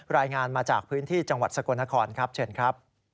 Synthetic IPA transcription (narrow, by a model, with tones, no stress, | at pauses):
ɾaː˧jŋaː˧nmaː˧t͡ɕaː˨˩k̚pʰɯː˦˥nt̪ʰiː˥˩t͡ɕa˧ŋwa˨˩t̪̚sa˧ko˧nːa˦˥kʰɔː˧nkʰɾa˦˥p̚t͡ɕʰe˥˩nkʰɾa˦˥p̚